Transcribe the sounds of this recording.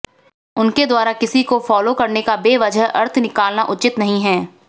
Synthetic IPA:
ʊnked̪waːɾakɪsikofɔːlokɐɾnekabeːʋɐd͡ʒəɦɐ̰ɾt̪ʰnɪkaːlnaʔʊt͡ʃɪt̪nɐɦĩɦɛː

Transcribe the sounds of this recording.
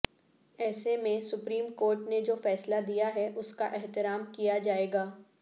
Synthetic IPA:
ɛːsemẽsʊpɾiːmkoːɾʈned͡ʒoːfɛːslad̪ijaɦɛʔʊskaʔɛɦt̪ɪɾaːmkijad͡ʒaːeːɡaː

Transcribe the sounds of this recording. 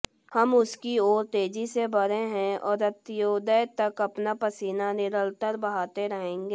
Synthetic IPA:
hɐmʊskiɔːɾt̪eːd͡ʒisebɐɾeɦɛ̃ɔ̰ːɾɐt̪joːd̪ət̪ɐkɐpnapɐsiːnanɪɾəlt̪əɾbɐɦaːt̪eɾɐɦẽːŋɡeː

